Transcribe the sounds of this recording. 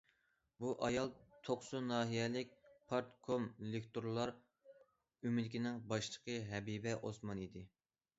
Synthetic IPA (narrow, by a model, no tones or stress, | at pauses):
buʔɑjɑlˠt̪ʰoχsunɑːɦijɛlɪkʲpʰɑɾt̪kʰomlekʲt̪oɾlˠɑɾ | ymɪd̪ɪkʲinɪŋbɑʃlˠəqʰəɦɛbibɛʔosmɑnid̪ɪ